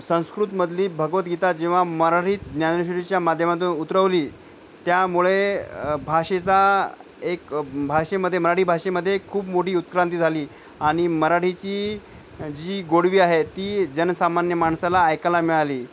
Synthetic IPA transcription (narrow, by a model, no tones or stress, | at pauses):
sə̃w̃skɾut̪məd̪ʱliːbʱəɡʋət̪ɡit̪at̪̚d͡ʑĩw̃ʋaməɾaʈiːt̪dnjanəɕɾet͡ɕjamad̪ʱjəmat̪uːnut̪ɾəʋliː | t̪jamuɭebʱaʂet͡sa | ekbʱaʂeməd̪ʱːjeməɾaʈiːbʱaʂeməd̪ʱːjekʰuːpmoʈʰiːut̪kɾant̪̬iːd͡zʱaliː | aɽ̃iməɾaʈʰit͡ɕiː | d͡ʑiːɡoɽʋiːaɦet̪iːd͡ʑənsamanjəmaɳsalaːjkalamiɭaliː